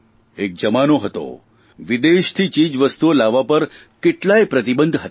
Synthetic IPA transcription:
ek̚d͡ʑəmanoɦət̪o̰ | ʋid̪eʃt̪ʰiːt͡ɕiːd͡ʑʋəst̪uolaʋapəɾ | keʈlajpɾət̪ibənd̪ʱɦət̪

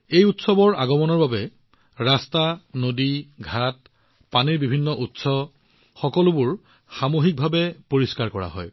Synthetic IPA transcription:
ejutsɔbɔɹʔa̰ɡɔmɔnɔɹbabɛ | ɹastanodiɡʱat̚ | paniɹbibʱinːɔʔutsɔ | xɔkɔlʊbʊɹ | xamoɦik̚bʱabɛpoɹiskaɹkɔɹa̰ɦɔ̰j

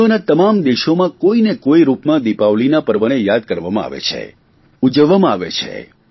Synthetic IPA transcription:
onat̪əmamd̪eʃomãkoinekoiɾupmãd̪ipaʋlinapəɾʋəɽ̃ejad̪̚kəɾʋamãa̰ʋḛt͡ʃʰḛ | ud͡ʒəʋːamãaʋḛt͡ʃʰḛ

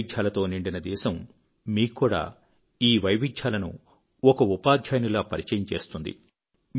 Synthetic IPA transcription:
dʒaːlɐt̪o̞ːniɳɖinɐd̪ɛːsɐm | miːkːuːɽa̰ː | iːʋɐjʋid̪ʒjaːlɐnṵ | ɔkɐupaːd̪ʱjaːjɐnilaːpɐɾit͡ʃɐjɐɲt͡ʃe̞ːst̪und̪ḭ | m

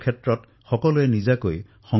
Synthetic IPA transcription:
kʰetɾɔt | xɔkɔluenid͡ʒakoj | xɔ

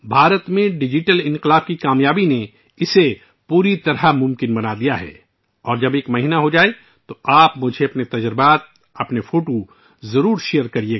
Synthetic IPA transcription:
bʱaːɾət̪mẽɖɪd͡ʒɪʈəlɪ̃nqɪlaːb̚kikaːmjaːbine | ɪse | puːɾit̪ɐɾamʊ̃mkɪnbɐnad̪ijaɦɛ̰ː | ɔːɾd͡ʒɐbeːkmɐɦiːnaɦod͡ʒaːe | t̪oaːpmʊd͡ʒʱeɐpnet̪ɐd͡ʒɾɪbaːt̪̚ | ɐpnefoːʈo | zɐɾuːɾʃejəɾkɐɾie

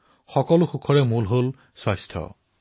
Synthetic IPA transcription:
xɔkɔlʊxukʰɔɹɛmulɦol | swajstʰɔ̰

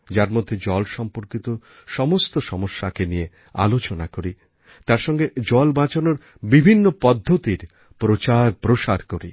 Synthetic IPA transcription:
d͡ʑaɾmod̪ʱːed͡ʑɔlʃɔmpoɾkit̪o | ʃɔmost̪oʃɔmoʃːakenije | a̰lot͡ɕonakoɾi | t̪aɾʃɔŋɡed͡ʑɔlbãt͡ɕonoɾ | bibʱinːopɔd̪ʱːot̪iɾ | pɾot͡ɕaɾpɾoʃaɾkoɾḭ

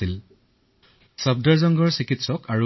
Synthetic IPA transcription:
il | sab̚daɹzɔŋɡɔɹsikitsɔkaɹu

